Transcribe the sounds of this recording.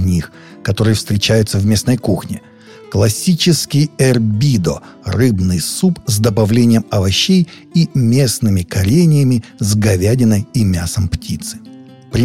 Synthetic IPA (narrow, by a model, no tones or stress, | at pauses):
nʲix | kɐt̪o̞ɾɨjəfst̪ɾʲɪt͡ɕæjʊt̪səvmʲe̞snəjkuxnʲɪ̰ | klˠɐsʲit͡ɕɪskʲɪjɛrbʲid̪o̰ | rɨbnɨjsupzd̪əbɐvlʲenʲɪjəmɐvɐɕːej | imʲe̞snɨmʲɪkɐɾʲenʲɪjəmʲɪzɡɐvʲædʲɪnəjimʲasəmptʲit̪sɨ̥ | pɾʲɪ